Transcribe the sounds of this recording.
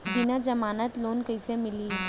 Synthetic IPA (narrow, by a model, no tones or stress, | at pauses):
binad͡ʒɐmaːnət̪loːnkəjsemɪliː